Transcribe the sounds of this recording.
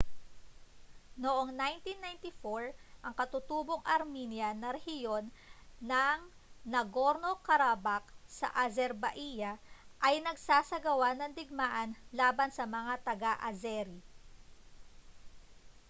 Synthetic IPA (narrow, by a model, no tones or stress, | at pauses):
noʔo̞ŋnajnt̪inːajnt̪ifoɹʔɐŋkɐt̪ʊt̪uːboŋʔɐɾminjɐnɐɾɛhɪjo̞nːɐŋ | nɐɡo̞ɾno̞kɐɾabak̚sɐ̰ʔɐzɛɾbɐʔijɐʔɐjnɐɡsaːsɐɡɐwanɐŋd̪ɪɡ̚maːʔɐnlaːbɐnsɐmɐŋat̪ɐɡaʔɐzɛɾi